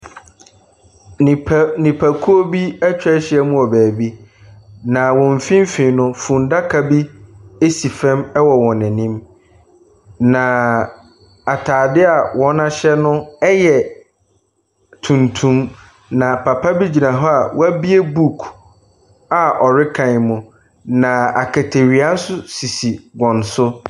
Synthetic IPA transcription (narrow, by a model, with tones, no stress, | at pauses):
nʰ˨nĩ˨pʰæ˨kʰu˦o˦bi˦ɛ˦t͡ɕᶣɛ˦ɕɪ˦ɛ˦mũ˦ɔ˨bæː˨bi˦ | nã˨wɔ̃˨m˨fĩ˦m˦fĩ˨nʊ̃˦fũ˨nda˦kʰa˨bi˦e˦si˨fɛ̃˦mɛ˦wɔ˨wɔ̃˨nɛ̃˨nĩ˦m | nã˨ | a˨tʰaː˨dɪ˦a˨wɔ̃˦nã˦ɕɛ˦nʊ̃˦ɛ˦jɛ˨ | tʰũ˨ntʰũ˦m | nã˨pʰa˨pʰa˦bi˦d͡ʑi˨na˨ɦɔ˦a˨wʔæ˦bi˦e˦bu˦˨kʰ | a˨ʔɔ˨ɾɪ˦kʰã˨mʊ̃˨ | nã˨a˨kʰɛ˨tʰe˨ɾi˨a˦n̩˦sʊ˦si˨si˨ɡɔ̃˨n˨sʊ˦